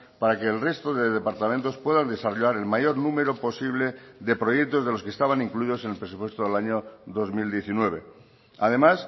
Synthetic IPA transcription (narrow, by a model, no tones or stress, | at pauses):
paɾakeːlre̞st̪oðe̞ðe̞paɾt̪amẽnt̪o̞spwe̞ðand̪e̞saroʎaɾe̞lmaʝo̞ɾnume̞ɾopo̞siβle̞ðe̞pɾo̞jek̚t̪o̞zðe̞loskest̪aβ̞anĩŋkluiðo̞senelpɾe̞supwe̞st̪oðelaɲoðo̞zmild̪je̞θinwe̞β̞e̞ | að̞e̞mas